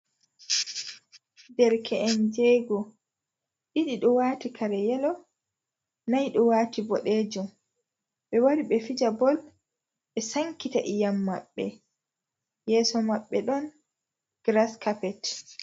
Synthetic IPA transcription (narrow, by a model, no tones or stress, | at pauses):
dɛɾkʰɛʔɛnd͡ʒɛɡɔ | ɗiɗiɗɔwaːtikʰaɾɛjɛlɔ | najɗɔwaːtibɔɗeːd͡ʒum | ɓɛwaɾiɓɛfid͡ʒabɔl | ɓɛsaŋkitaʔijamːa̰ɓːɛ̰ | jɛːsɔmaɓːɛɗɔn | ɡ̥ɾaskapɛt